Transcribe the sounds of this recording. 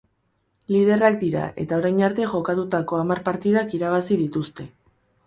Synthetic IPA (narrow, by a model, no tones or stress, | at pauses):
lið̞e̞rak̚d̪iɾa̰ʔe̞̰t̪ao̞ɾajnaɾt̪e̞ʝo̞kat̪ut̪ako̞amarpaɾt̪iðakiɾaβ̞asiðit̪ust̪e̞